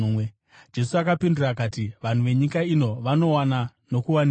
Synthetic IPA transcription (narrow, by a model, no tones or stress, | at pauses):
we | d͡ʒe̞suakapindirakatiʋan̤uʋe̞ɲikaino̞ʋano̞wana | no̞kuwani